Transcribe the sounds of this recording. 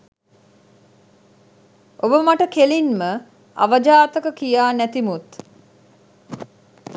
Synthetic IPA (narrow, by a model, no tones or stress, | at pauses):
ʔobəmaʈəkelinmə | a̰ʋəd͡ʒaːt̪əkəkijaːnæt̪imut̪